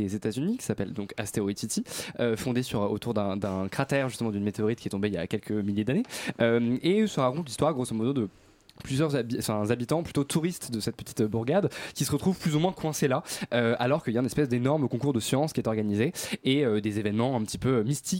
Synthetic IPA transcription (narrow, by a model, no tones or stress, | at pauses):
ezet̪azynikʲi̥sapɛld̪ɔ̃ka̰st̪eoit̪it̪iøfɔ̃d̪esyʁot̪uʁd̪ɛ̃d̪ɛ̃kχat̪ɛʁʒyst̪əmɑ̃d̪ynmet̪eɔʁit̪̚kʲiɛt̪ɔ̃beilja̰kʲɛlkʰəmiljed̪aneømesəʁakɔ̃t̪list̪waʁɡʁosomɔd̪od̪ə | plyzjœʁzabifɛ̃zabit̪ɑ̃ply̥t̪ot̪ʰuʁist̪d̪əsɛt̪̚pət̪i̥t̪buʁɡad̪kʲisəʁət̪χuv̥plyzumwɛ̃kwɛ̃selaøalɔʁkəiljaɛ̃nɛspɛsd̪enɔʁməkɔ̃kuʁd̪əsjɑ̃skʲiɛt̪ɔʁɡanizeeød̪ezevɛnmɑ̃ɛ̃pət̪i̥pøømist̪i